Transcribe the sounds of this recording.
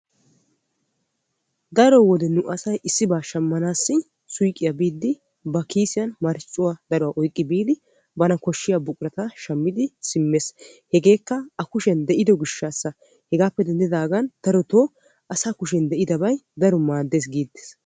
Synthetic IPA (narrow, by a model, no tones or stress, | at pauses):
d̪ɐɾɔwɔd̪ɛnʊʔɐsɐjʔɪsːɪbaːʃɐmːɐnaːsːɪ | sʊjkʼːɪjɐbiːd̪ːɪ | bɐkiːsɪjɐnmɐɾɪt͡ʃʼːʊwad̪ɐɾɔwɐʔɔjkʼːɪbiːlɪ | bɐnɐkɔʃːɪjabʊkʼʊɾɐt̪ɐʃɐmːɪd̪ɪsɪmːeːs | hɛɡe̞ːkːɐɐkʊʃɛnd̪ɛʔɪd̪ɔɡɪʃːaːsːɐ | hɛɡaːpːɛd̪ɛnd̪ɪd̪aːɡɐnd̪̥ɐɾɔt̪oː | ɐsakʊʃ̬ɛnd̪ɛʔɪd̪ɐbɐjd̪ɐɾɔmaːd̪ːeːs̬ɡiːd̪ːe̥s